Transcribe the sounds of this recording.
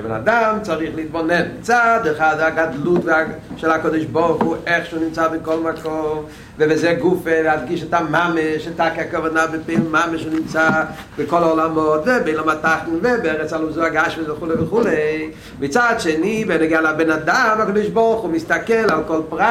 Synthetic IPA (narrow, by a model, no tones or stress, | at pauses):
bɛna̰damt͡saʁiχlit̚bɔnɛnt͡sad̪ɪχazeaɡadlutvɪaʃɛlhakɔdɪʃbɔʁχuʔɛχʃuːnɪmt͡sabɪkɔlˠmakɔm | vɪvɪzɛɡufevɪadɡiʃ̬ɛtamameʃɪtakakavɔnabɪpelˠmameʃunimt͡sabɪkɔlaɔlamɔtvɛbeɪlomataχn̩vɛbɛʁɛt͡saluzuaɡaʃmesvɪχulevɪχuleɪ | mɪt͡sadʃenivɛnɪɡealabɛnadamakɔd̪ɪʃbɔʁχumɪstakɛlalˠkɔlˠpʁa